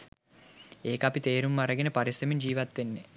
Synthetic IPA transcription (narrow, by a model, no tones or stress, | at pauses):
eːkɐpit̪eːɾumːɐɾɐɡenepɐɾisɾɐmind͡ʒiːʋɐt̪ːʋenːe